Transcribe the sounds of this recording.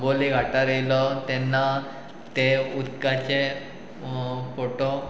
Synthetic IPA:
boliɡʱaʈaɾelɔt̪ɛnːa | t̪eut̪kat͡ɕe | foʈo

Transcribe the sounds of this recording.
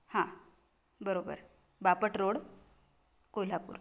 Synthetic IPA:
hã | bəɾobə̰ɾ | bapəʈɾoɽ | kojlapṵːɾ

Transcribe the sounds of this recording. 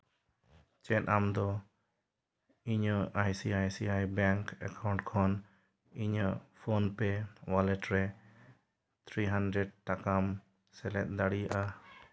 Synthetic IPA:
t͡ʃɛt̪amd̪ɔ | iɲəʔajsiajsiajbɛŋkɛkawɳʈkʰɔn | iɲəpʰonpɛwalɛʈɾɛ | t̪ʰɾiɦandɾɛɖ̚ʈakam | sɛlɛt̪̚d̪aɽijaʔa

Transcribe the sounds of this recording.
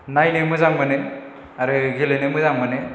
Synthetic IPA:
najnemɯzaŋmane | aɾɯɡʱelenemɯzaŋmane

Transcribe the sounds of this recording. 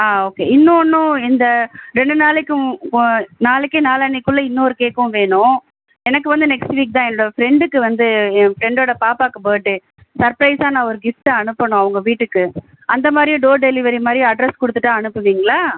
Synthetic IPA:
aːoːkḛːɪnːõɔnːʊ̃ɪnd̪ɐɾɛɳɖɯnaːlɛkːɯ̃ | naːlɛkːɯnaːlɐːnɛkːʊɭːɐɪnːoːɾɯkeːkːɐʊ̃ʋeːɳʊ̃ | ɛnɐkːɯʋɐnd̪ɯnɛksʈʋiːk̚t̪ãːɛnːoɽɐfɪɾɛɳɖɯkːɯʋɐnd̪ɯfɾɛɳɖoːɽɐpaːpaːkːɐpoːjʈːɯ | sɐɾpɾɐɪsaːnãːɔɾɯɡɪfʈãɐɳɯpːɐɳʊ̃ɐʋɐŋɡɐʋiːʈːɯkːɯ | ʔɐnd̪ɐmaːd̪ɾijʊ̃ɖoːɖɛlɪʋɐɾimaːd̪ɾij̃ɐɖɾɛskɔɽɯt̪ːɯʈːãːɐɳɯpːɯʋiːŋɡɐɭaː

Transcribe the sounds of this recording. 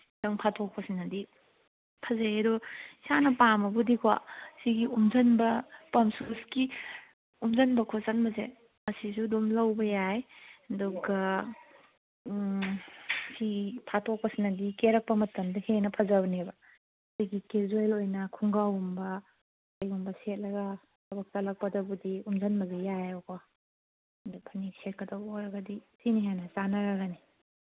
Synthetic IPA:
dɐŋpʰatʰok̚pɐsinɐdi | pʰɐzajedɔsanɐpamɐbudikʰuwa̰siɡiumzɐnbɐpɐmsuski | umzɐnbɐkʰozɐnbɐze | mɐsizudumlɐwbɐjajɐduɡɐ | sitʰatʰɔk̚pɐsinɐdikeɾɐk̚pɐmɐtɐmdɐhenɐpʰazabnebɐ | diɡikezuelojnɐkʰuŋɡawumbɐ | ɐjumbɐset̚lɐɡɐ | tʰɐbɐk̚talɐk̚pɐdɐbudiumzanmɐzejajawkʰa | dupʰaniset̚kɐdaboɾɐɡadisiniɦenɐzanaɾaɡani

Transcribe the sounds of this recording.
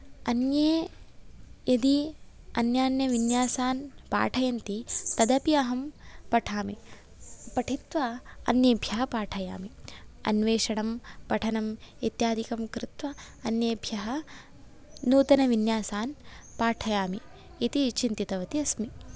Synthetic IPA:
ɐnjeː | jɐd̪i | ɐnjaːnjɐʋinjaːsaːnpa̰ːʈʰɐjɐnt̪it̪ɐd̪ɐpiɐɦɐmpɐʈʰaːmi | pɐʈʰit̪ʋɐɐ̰njɐːbʱjɐɦɐpaːʈʰɐja̰ːmiɐ̰nʋeːʂɐɳɐmpɐʈʰɐnɐmet̪jaːd̪ʱikɐmkɾɪt̪ʋɐ | ɐnjeːbʱjɐɦɐ | nuːt̪ɐnɐʋinjaːsaːnpaːʈʰɐjaːmiː | t̪it͡ʃint̪it̪ɐʋɐt̪iɐsmi

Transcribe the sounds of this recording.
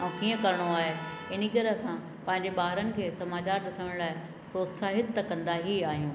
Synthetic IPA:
ɛ̃ːkiːə̃kɐɾɪɽ̃oaːɦe | ɪnikɐɾeɐsã | pɐ̃ɦɪ̃ɲd͡ʑeɓaːɦɾənɪ̆kʰeːsɐmaːt͡ɕaːɾɗɪsəɽ̃laːɪ | pɾoːt̪saːɦɪt̪ːɐkɐ̃nd̪aɦiaːɦijũː

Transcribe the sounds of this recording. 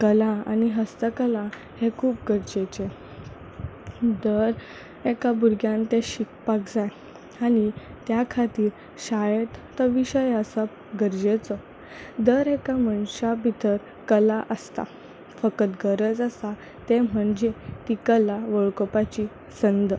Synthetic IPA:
kəlaa̰niɦəst̪əkəla | hekʰuːp̚ɡəɾd͡ʑet͡ɕe | d̪əɾ | ekabuɾɡjãnt̪eɕikpakd͡zaj | añit̪jakʰat̪iːɾ | ɕajət̪t̪ɔʋiɕəjəsə | ɡəɾd͡ʑet͡sɔ | d̪əɾekaməɳɕabʱit̪əɾ | kəlaʔəst̪a̰ | fəkət̪ɡəɾəd͡zəsa | t̪em̤əɳd͡ʑet̪ikəlaʋoɭkɔpat͡ɕi | sənd̪ə

